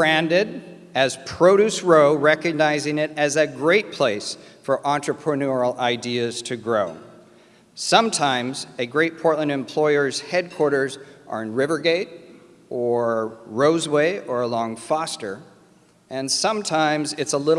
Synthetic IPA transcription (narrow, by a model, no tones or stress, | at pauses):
ɹæ̃ndɪɾ | ɨz̥pʰɹ̥oʊɾʉsɹoʊɹɛkɨɡ̚naɪzɪ̃ŋɪɾɨzɨɡɹeɪt̚pʰl̥eɪsfə˞ʔɑ̃nt͡ʃɹ̥əpʰɹ̥ɨnɔɹl̩ˠaɪdiɨz̥tʰɨɡɹoʊ | sʌ̃mtʰãɪ̃mzɨɡɹeɪt̚pʰɔɹʔˡlˠə̃ndɨ̃mpʰl̥ɔɪə˞z̥hɛd̚kʰw̥ɔɹɾə˞zʔə̰˞ɨ̃nɹɪvə˞ɡeɪɾ | ʔə˞ɹoʊzweɪʔə˞əlɔ̃ŋfɑstə˞ | ʔɨ̃nsʌ̃mtʰãɪ̃mzɨtsəlɪɾ